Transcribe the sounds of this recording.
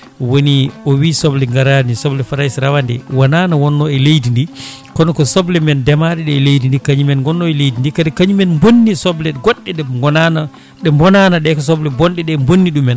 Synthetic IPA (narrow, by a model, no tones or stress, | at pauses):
woniɔwisɔblɛŋɡaɾanisɔblɛfaɾajsɾawandɛ̰wananawɔnːɔɛlejdindi | kɔnɔkɔsɔblɛmɛndɛmaɾɛɗɛːlejdindikaɲimɛnɡɔnːɔɛlejdindikadikaɲimɛnmbonːisɔblɛɡɔɗːɛɗɛŋɡɔnana | ɗɛmbɔnanaɗɛkɔs̬ɔblɛbɔnɗɛɗɛmbonːiɗumːɛn